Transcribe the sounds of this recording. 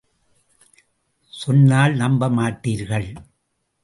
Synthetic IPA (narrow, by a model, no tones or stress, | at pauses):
sɔnːaːlnɐmbɐmaːʈːiːɾɣɐɭ